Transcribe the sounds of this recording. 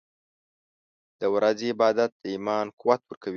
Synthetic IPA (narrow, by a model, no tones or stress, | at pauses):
d̪̥əwɾɑziɪbɑd̪at̪̚d̪əimɑnkʊwat̪wəɾkawi